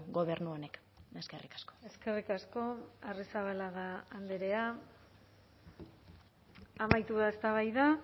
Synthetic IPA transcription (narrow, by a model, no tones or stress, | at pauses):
ɡo̞βe̞ɾnuonek | eskerikḁsko̥e̞ske̞rikasko̞arisaβalaɣaːnd̪eɾe̞a | amajt̪uðaest̪aβ̞ajða